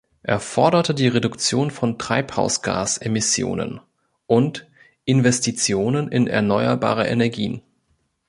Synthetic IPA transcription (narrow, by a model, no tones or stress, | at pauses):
ʔeːɐfɔɐdɐtədiːʁedʊkt͡sjoːnfɔntʁ̥aɪpha̰ʊsɡ̥a̰ːsʔemɪsjo̰ːnə̰n | ʔʊnt | ʔɪnvɛstit͡sjoːnənʔɪ̰nɛ̰ɐnɔʏɐba̰ːʁ̞ɐʔḛnɛɐɡiːn